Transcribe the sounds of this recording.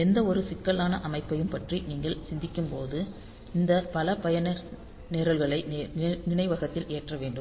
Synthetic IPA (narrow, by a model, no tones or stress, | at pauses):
ɛnd̪ɐɔɾɯsɪkːɐlaːnɐʔɐmɐɪpːɐjɯmpɐʈriniːŋɡɐɭsɪnd̪ɪkːɯmpoːðɯ | ɪnd̪ɐpɐlɐpɐjɐnɐɾ | nɛɾɐɭɣɐɭɐɪnɪɳɐɪʋɐɣɐt̪ːɪleːʈrɐʋeːɳɖɯm